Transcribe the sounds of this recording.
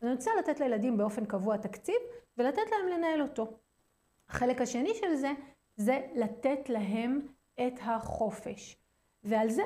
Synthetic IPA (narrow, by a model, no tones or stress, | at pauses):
aniot͡salatet̪lajeladimbe̞o̞fe̞nkavuatakt͡sivve̞latetlae̞mle̞nae̞lo̞to̞ | haχe̞le̞khaʃe̞niʃe̞lze̞ | ze̞lat̪e̞tlaɦe̞m | e̞tɦaχo̞fe̞̰ʃ | vealze